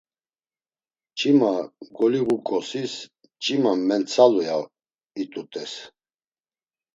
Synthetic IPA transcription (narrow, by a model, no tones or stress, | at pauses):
t͡ʃʼimaɡɔliɣukʼɔsis | t͡ʃʼimamɛnt͡sʰaluja | it̪ʼut̪ʼɛs